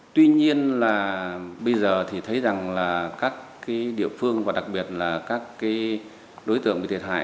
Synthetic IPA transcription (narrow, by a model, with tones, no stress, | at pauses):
t̪wi˧ɲi˧ənlaː˨˩ɓə˧jzəː˨˩t̪ʰi˨˩t̪ʰə˨˦jza˨˩ŋlaː˨˩kaː˦˥kːaː˨˦jɗḭ˧əfɨ˧əŋvaː˨˩ɗa˨˩k̚ɓi˨˩ət̚laː˨˩kaː˦˥kːaː˨˦j | ɗo˨˦jt̪ɨ̰˧ə˨ŋʔi˧˩t̪ʰt̚ɦa̰ː˧˨